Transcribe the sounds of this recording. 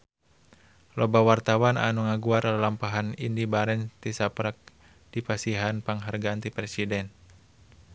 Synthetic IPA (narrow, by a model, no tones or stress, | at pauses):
lɔbawart̪awana̰nuŋaɡuaɾalalampaɦanindibaɾɛnt̪isapɾak̚ | d̥ipasiɦanpaŋɦarɡaːnt̪ipɾɛsidɛn